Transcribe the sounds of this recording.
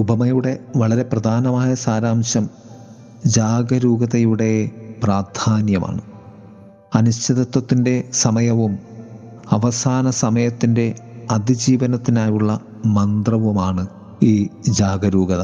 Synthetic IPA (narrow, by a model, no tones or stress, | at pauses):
ubʱɐmɐjuɽe̞ʋɐɭɐɾe̞prɐd̪ʱaːnɐmaːjɐsaːɾaːmɕɐm | d͡ʑaːɡɐɾuːɡɐðɐjuɽe̞praːrd̪ʱaːnjɐma̰ːɳɨ | ɐnuɕt͡ɕːɐðɐt̪wɐt̪ːinde̞sɐmɐjɐʋum | ɐʋɐsaːnɐsɐmɐjɐt̪ːinde̞ɐd̪id͡ʑiːʋɐnɐt̪ːinaːjuɭːɐ | mɐnd̪rɐʋumaːɳɨ | iːd͡ʑaːɡɐɾuːɡɐðɐ